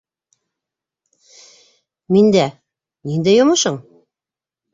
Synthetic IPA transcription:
mind̪æ | nind̪æjŏmɤ̆ʃɤɴ

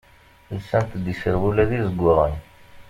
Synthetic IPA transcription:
əlsænt̪d̪isəɾwulæðizəɡʷːʊʁən

